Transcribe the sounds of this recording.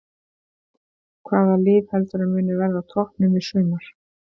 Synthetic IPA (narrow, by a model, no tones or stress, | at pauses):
kʰvaːðalɪːðhɛlt̪ʏɾʏmʏːnʏvɛɾðat̪ʰɔhpnʏmɪsʏːmaɾ̥